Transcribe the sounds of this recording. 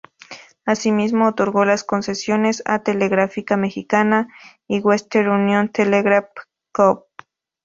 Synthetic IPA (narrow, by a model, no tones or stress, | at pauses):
asimismoːt̪oɾɣolaskonsesjonesa̰t̪eleɣɾafikamexikana | iwest̪eɾunjont̪eleɣɾaf | kop̚